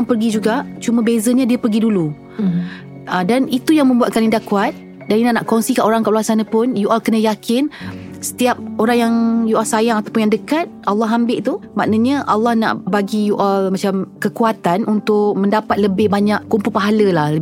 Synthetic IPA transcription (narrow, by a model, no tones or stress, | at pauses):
ŋpərɡid͡ʒuɡaʔt͡ʃumə̃bezəɲadiəpərɡidulu | ədanit̪ujaŋmə̃mbuat̪̚kanindaʔkuat̪̚ | daninanaʔkɔnsikanoɾaŋkaʔluasanapʊnjuʔalkənə̃jakʰɪn | sə̥t̪iap̚oɾaŋjaŋjuʔalsajaŋat̪awpʊnjaŋdəkat̪̚alːɑɦambɪʔt̪umaʔnəɲəʔalːɑhna̰ʔbaɡijuʔalmãt͡ʃamkəkuat̪anunt̪ʊʔ̚mə̃ndapat̪̚ləbɪhbaɲaʔkumpulpaɦaləlahlə